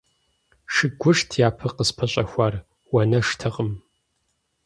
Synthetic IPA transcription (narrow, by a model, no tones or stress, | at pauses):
ʂɨɡʷʊʂtʰjaːpʰɨqəspʰɐɕʼɐxʷaːr | wɐnɐʂtʰɨʁəm